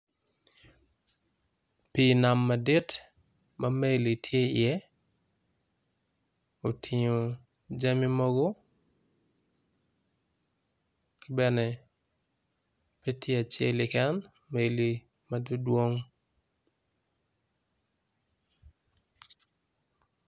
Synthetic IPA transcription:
pi˦na˨mːa˨di˦t | ma˦me˦li˨tʰje˦ɪ˨ɛ˦ | o˨tʰi˨ɲo˨ | d͡ʒa˦mi˦mɔ˦ɡo˦ | kɪ˦bɛ˦nɛ˨ | pe˦tʰje˦a˨t͡ʃḛ˦lɪ˨kɛ˦n | me˨li˨ | ma˦du˦dwo˦ŋ

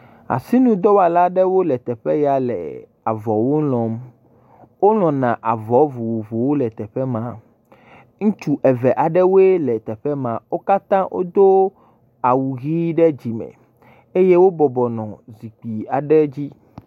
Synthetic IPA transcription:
a̰˨si˦nũ˦d̪ɔ˦wa˨la˦ɖɛ˦wo˦lɛ˨t̪ɛ˨ɸɛ˦ja˨lɛ̰˨ | a˨vɔ˨wo˦lɔ̃˨m | wo˦l̃ɔ̃˨nã˨ʔa˨vɔ˨˦vu˨wvo˨wo˦lɛ˨t̪ɛ˨ɸɛ˦mã˨ | ŋũ˦t͡ʃu˦ʔɛ˨vɛ˨ʔa˨ɖɛ˦wo˦e˦lɛ˨t̪ɛ˨ɸɛ˦mã˨wo˦ka˦t̪ã˦wʔo̰˦d̪o˦ | a˨wu˨ɣi˦ɖɛ˦d͡ʑi˨mɛ̰̃˨ | e˦je˦wo˦bɔ˨bɔ˨nɔ̃˨zi˨k͡pi˨a˨ɖɛ˦d͡ʑi˦

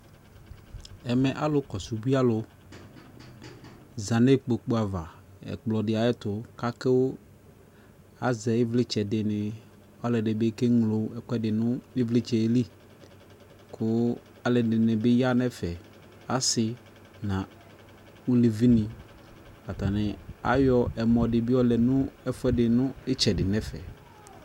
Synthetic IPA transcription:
ɛ˨mɛ˨ʔa˦lʊ˨˦kɔ˨sʊ˨˦bi˦a˦lʊ˨˦ | za˨ne˦k͡po˨k͡po˦a˨va˨ | ɛ̰˨k͡plɔ˨dɪ˨a˨jɪ˦tʊ˨ka˦kɪ˦wʊ˦ | a˨zɛ˨ɪ˦vlɪ˦t͡ʃɛ˨dɪ˨nɪ˨ | ɔ˦lɪ˨dɪ˨bɪ˦ke˦ŋ˨lo˨˦ɛ˨kʷɛ˦dɪ˨nʊ˦ɪ˦vlɪ˦t͡ʃɛ˨e˦li˦ | kʰʊ˦ | a˨lɛ˨dɪ˨nɪ˨bɪ˦ja˦nɛ˦fɛ˨ | a˦sɪ˨ | nã˨ | u˦li˨vi˦nɪ˨ | a˨ta˨nɪ˨a̰˨˦jɔ˨ʔɛ˨mɔ˨dɪ˨bɪ˦ɔ˦lɛ˨nʊ̃˦ɛ˦fʊ˦ɛ˦dɪ˨nʊ̃˦ɪ˦t͡ʃɛ˨dɪ˨nɛ˦fɛ̰˨

